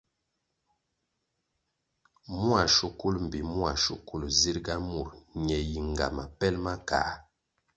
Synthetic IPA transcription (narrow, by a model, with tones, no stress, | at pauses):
mu˦a˨ʃu˦ku˦lm̩˨bi˨mwa˨ʃṵ˦ku˦˨lzi˦ɾɡa˦mu˨ɾɲɛ˨ji˨ŋ˨ɡa̰˨ma˨pɛ˦lma˦ka̰˨˦